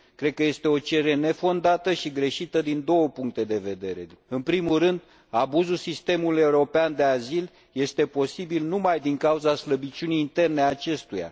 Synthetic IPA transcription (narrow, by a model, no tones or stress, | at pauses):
kɾe̞d̪̚kəje̞st̪e̞o̞t͡ʃe̞ɾe̞ne̞fo̞nd̪at̪əʃiɡɾe̞ʃit̪əd̪ind̪o̞wəpuŋk̚t̪e̞d̪e̞ve̞d̪e̞ɾe̞̰ɨnpɾimulɾɨnd̪ | abuzulsist̪e̞muluje̞uɾo̞peand̪e̞azil | je̞st̪e̞po̞sibilnumajd̪iŋkauzasləbit͡ʃʲuniːnt̪e̞rneat͡ʃe̞st̪uja̰